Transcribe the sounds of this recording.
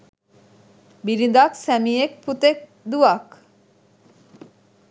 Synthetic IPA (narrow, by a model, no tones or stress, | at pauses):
biɾid̪aksæmijek̚pʰut̪ek̚ | d̪uak